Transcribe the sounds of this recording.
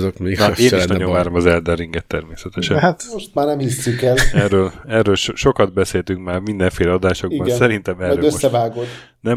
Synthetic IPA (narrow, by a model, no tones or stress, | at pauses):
zokmeːneːniʃnɒɟovaːɾomɒzɛld̪ɛrːiŋɡɛt̪ːɛrmeːsɛt̪ɛʃɛat̪moʃt̪maːrnɛmhisːykɛlɛrːøːlɛrːøːlʃʃo̞kɒd̪bɛseːlt̪yŋkmaːrmind̪ɛɱfeːlɛɒd̪aːʃo̞ɡbibɒnssɛɾint̪ɛmɛrøːøosːɛvaːɡod̪ | nɛ